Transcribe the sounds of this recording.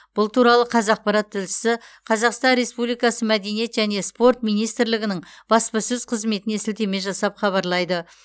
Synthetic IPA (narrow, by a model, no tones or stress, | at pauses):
b̥ʊlˠt̪ʰuɾɑlˠəqʰɑzɑq̚pɑɾɑt̪ʰːɪlʃɪ̥sɪqʰɑzɑqst̪ɑnɾe̞spublˠijkɑsəmæd̪e̞nije̞t̪ʒæne̞spo̞rt̪mijnijst̪ɪɾlɪɡʲɪnɪɴb̥ɑspɑsʏz̥qʰəzme̞t̪ɪnesɪlt̪e̞me̞ʒɑsɑpχɑβɑɾlˠɑjd̪ə